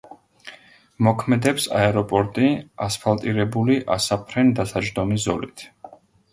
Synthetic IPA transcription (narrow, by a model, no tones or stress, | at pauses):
mɔkʰmɛd̪ɛpsa̰ɛɾɔpʼɔɾt̪ʼiaspʰalˠt̪ʼiɾɛbuliʔasapʰɾɛnd̪asad͡ʒd̪ɔmiszɔ̰lit̪ʰ